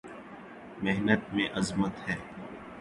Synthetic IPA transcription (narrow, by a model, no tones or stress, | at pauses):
meɦnət̪mẽʔɐzmət̪hɛː